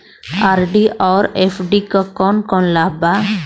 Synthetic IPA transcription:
aɾɖiɔɾepʰɖikəkɔnkɔnlaba

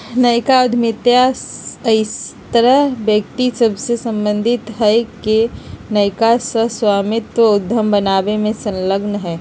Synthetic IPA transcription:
nəɪkaʊd̪ʱmɪt̪jasəɪst̪əɾəɦbjəkt̪isɐbsesə̃mbə̃nd̪ʱɪt̪ɦɛkenəɪkasəswaːmɪt̪əʊd̪ʱːəmbənaːbemẽsə̃nləɡnɦɛː

